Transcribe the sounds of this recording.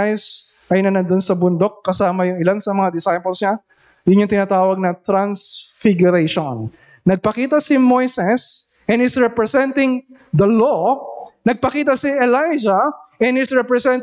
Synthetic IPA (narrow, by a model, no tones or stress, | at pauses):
jsʔɐjnɐnɐnd̪onsɐbʊnd̪o̞k̚ːɐsaːmɐjʊŋɪlansɐmɐŋad̪ɪsajpɐlsɲa | jʊnjʊŋt̪ɪnaːt̪aːwɐɡ̚nɐt̪ɾansfɪɡjʊɾejʃonː | ɐɡ̚pɐkiːt̪ɐsɪmojsɛs | ʔɛnɪsɹɛpɹɛsɛnt̪ɪŋd̪ɐlonɐɡ̚pɐkiːt̪̬ɐsiɛlajd͡ʒɐʔɛnhɪsɹɛpɾɛsɛnt̪